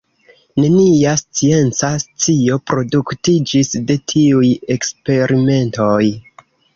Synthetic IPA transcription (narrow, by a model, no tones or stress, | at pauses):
ne̞niast͡sie̞nt͡sast͡sio̞pɾo̞duktid͡ʒisde̞tʰiuje̞kspe̞ɾime̞nto̞j